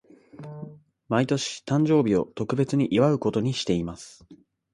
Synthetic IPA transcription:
mait̪o̞ɕi̥t̪ãɲ̟d͡ʑo̞ːbʲio̞t̪o̞kɯ̟be̞t͡sɨɲ̟iʔiβaɯ̟ko̞t̪o̞ɲ̟iɕi̥t̪e̞imasɨ̥

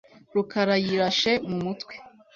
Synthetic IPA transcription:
ɾukʰaɾajiɾaʃe̞mumutkwe̥

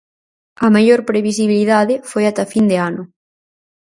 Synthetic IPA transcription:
ɐmaʎoɾpɾeβisiβiliðaðɪfojat̪ɐfind̪eanʊ

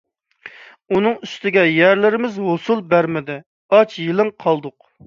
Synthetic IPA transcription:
unɨŋyst̪ɪɡʲɛjæɾlɪɾɪmɪzɦosulˠbæɾmɪd̪ɪ | ɑt͡ʃjilˠɪŋqʰɑlˠd̪ʊq

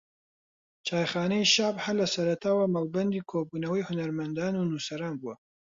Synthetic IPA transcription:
t͡ʃʰaːjχaːnɐjiʃaːbhalɐsɐɾɐt̪ʰaːwɐmalbɐnd̪iːkʰoːbuːnɐwɐjhʊnɐɾmɐnd̪aːnunusɐɾaːnbuwɐ

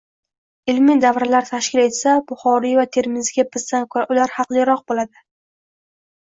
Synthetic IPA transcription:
ɪlmɪd̪avɾalaɾt̪ʰaʃkʲɪle̞t̪sabʊχɒɾivat̪ʰe̞ɾmɪzɪɡʲapʰɪzd̪ankʰoɾaʔʊlaɾhɑqlˠɪɾɒq̚bolad̪ɪ

